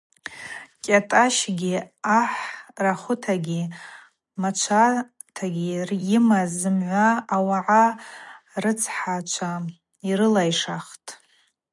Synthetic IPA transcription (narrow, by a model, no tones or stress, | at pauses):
kʲʼatʼaʃɡʲiaħraχʷʊtʰaɡʲi | mat͡ʃʷʰa | tʰaɡʲirjɪmazɨmʕʷaːwaʕa | rɨt͡sʰħat͡ʃʷʰa | iɾɨlajʂaχtʼ